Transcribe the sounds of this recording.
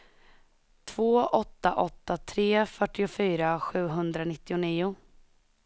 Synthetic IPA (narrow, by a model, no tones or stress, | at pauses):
t̪ʰv̥oːʔɔt̪ːaʔɔt̪ːat̪ʰɾeːfœʈːɪʊfyːɾaɧʉ̟ːɦɵnd̪ɾanɪt̪ːɪʊniːʊ